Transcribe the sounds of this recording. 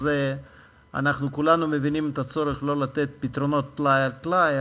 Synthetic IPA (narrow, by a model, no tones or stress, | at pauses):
ze | a̰naχnukulanumevinimet̪at͡so̞ɾeχlo̞lat̪e̞t̪̚pit̪ɾono̞t̪ːlajaltlaj